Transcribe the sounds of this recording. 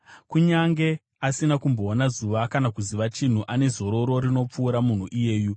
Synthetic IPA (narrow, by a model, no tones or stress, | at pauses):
kuɲaŋɡe̞ | asinakumbo̞ːnazuʋakanakuziʋat͡ʃin̤uʔane̞zo̞ɾo̞ɾo̞ɾino̞p͡fuːɾamun̤uʔije̞ːju